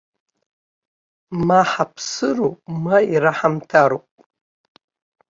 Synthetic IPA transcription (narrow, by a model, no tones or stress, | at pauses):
maħapʰsɨromaiɾaħamtʰaɾopʼ